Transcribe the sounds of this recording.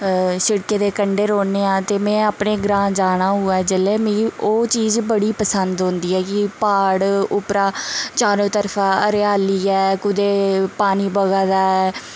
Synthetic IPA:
sɪɽkeːd̪eːkəɳɖeːɾoːneːãːt̪eːmɛ̃ːaːpɳeːɡɾãːd͡ʒaːɽ̃ãːɦʊɛːd͡ʒəleːmẽioːt͡ʃiːzbəɽiːpəsənd̪ɦõːnd̪iːɛːkɪpaːɽʊpɾaːt͡ʃaːɾõːt̪əɾfʰaːəɾeaːliːɛːkʊd̪eːpaːniːbəɡaːd̪aːɛː

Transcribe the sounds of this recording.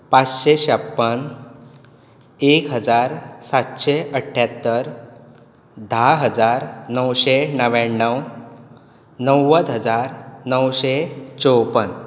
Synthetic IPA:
pat͡sɕeɕəpːən | ekɦəd͡zaɾsat̪ɕeʔəʈʰːjat̪ːəɾ | d̪ʱaɦəd͡zaɾnəwɕenəʋanːəw | nəwːəd̪ɦəd͡zaɾnəwɕet͡sowpən

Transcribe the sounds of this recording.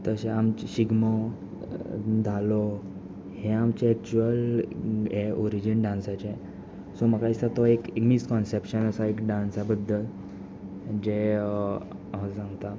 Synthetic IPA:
t̪əɕeamt͡ɕɕiɡmə | d͡z̪ʱalɔ | hẽamt͡ɕeɛk̚t͡ɕuʋəl | eɔɾid͡ʑinɖãnsat͡ɕe | sɔməkaisat̪ɔekekmiskɔnsepɕənəsaekɖãnsabəd̪ʱːəl | d͡ʑe | ɦəsãŋɡt̪a

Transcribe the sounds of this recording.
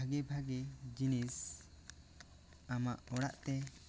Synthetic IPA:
aɡɛbʱaɡɛd͡ʒinis | amaʔɔɽa̰ʔt̪ɛ

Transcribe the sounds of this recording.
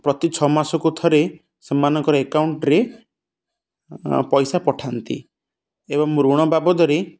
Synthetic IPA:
pɾɔt̪it͡ʃʰɔmasɔkut̪ʰɔɾe | semːanɔŋkɔɾɔekawɳʈɾe | pɔjsapɔʈʰant̪ḭ | ebɔŋmuɾuɽ̃ɔbabɔd̪ɔɾe

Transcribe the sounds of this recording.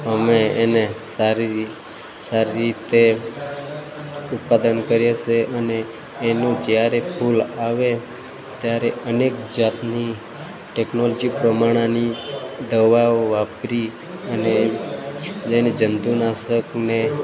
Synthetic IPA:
əmeːnesaɾi | saɾiɾit̪e | ʊt̪̚pad̪ənkəɾjet͡ʃʰeʔəneː | nõd͡ʒjaɾepʰulaʋe | t̪jaɾeənekd͡ʒat̪ni | ʈeknolɔd͡ʒipɾəmaɽ̃anid̪əʋaʋapɾi | əne | d͡ʒened͡ʒənd̪unaʃəkne

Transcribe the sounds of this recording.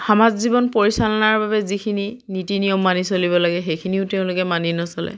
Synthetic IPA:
xamazzibɔnpoɹisalɔnaɹbabɛzikʰininitinijɔmːanisoliβɔlaɡɛxejkʰiniʊteʊ̃lʊkɛmaninɔsɔlɛ̰

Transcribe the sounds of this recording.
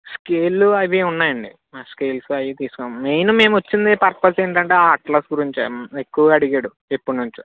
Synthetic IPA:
skeːlːuɐʋiunːaːjɐɳɖi | aːskeːlsɐjit̪iːsu̥koːmeːnume̞ːmot͡ʃːind̪eːpɐɾpɐseːɳʈɐɳʈeːaːʈklɐːsɡuɾiɲt͡ʃiekːuʋɐɐɽiɡeːɽu | e̞pːuɽnuɲt͡ʃu̥

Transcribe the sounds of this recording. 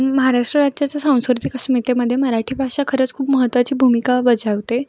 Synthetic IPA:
məɦaɾaʂʈɾəɾad͡ʑjat͡ɕasãw̃skɾt̪iksmit̪eməd̪ʱjeməɾaʈʰiːbʱakʂakʰəɾət͡skʰuːpməɦət̪ːʋat͡ɕiːbʱumikabəd͡zaʋt̪e

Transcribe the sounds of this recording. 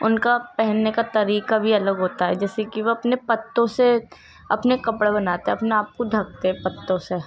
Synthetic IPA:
ʊnkapɛɦɛnːekat̪ɐɾiːkabʱiɐləɡɦoːt̪aɦɛd͡ʒɛːsekiʋoɐpnepɐt̪ːõse | ɐpnekɐpɽebɐnaːt̪eɦɛ̃ɐpneaːp̚kod̪ʱɐk̚t̪eɦɛ̃pɐt̪ːõse

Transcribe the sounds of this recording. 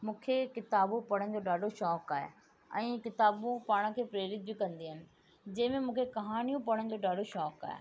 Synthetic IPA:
mũːkʰekɪt̪aːbũpɐɽ̤ə̃nɪ̆d͡ʑoːɗaːɖoʃɔːkaːɦḛ | ɛ̰̃ːkɪt̪aːbũpaːɽ̃ə̆kʰeːpɾeːɾɪt̪̚bɪkɐ̃nd̪iɦənɪ̆ | d͡ʑɐ̃ɦɪ̃mẽmũːkʰekɐɦaːnijũpɐɽ̤̃ən̆d͡ʑoːɗaːɖoʃɔːka̰ːḛ

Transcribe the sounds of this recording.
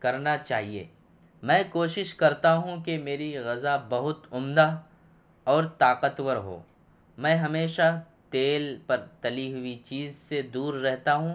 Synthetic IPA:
kɐɾnat͡ʃaːɦiḛː | mɛ̃ːkoːʃɪʃkɐɾt̪aɦũkemeːɾiɣɐzabɐɦʊt̪ʊmd̪a | ɔːɾt̪aːqət̪wəɾɦo̰ː | mɛ̃ːɦɐmeːʃa | t̪eːlpɐɾt̪ɐliɦʊit͡ʃiːzsed̪uːɾːɛɦt̪aɦũ

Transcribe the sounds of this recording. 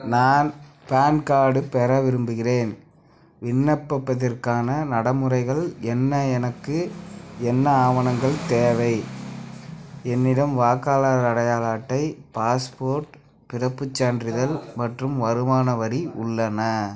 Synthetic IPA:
naːn | paːnkaːɽɯpɛɾɐʋɪɾɯmbɯɣɪreːn | ʋɪnːɐpːɐpːɐðɐrkaːnɐnɐɽɐmɯrɐɪɣɐɭɛnːɐɛnɐkːɯɛnːɐaːʋɐnɐŋɡɐɭt̪eːʋɐɪ | ɛnːɪɽɐmʋaːkaːlaɾɐɽɐjaːlaːʈːɐɪpaːspoːɾʈ | pɪrɐpːɯt͡ʃːaːndrɪðɐlmɐʈrɯmʋɐɾɯmaːnɐʋɐɾiʔʊɭːɐnɐ

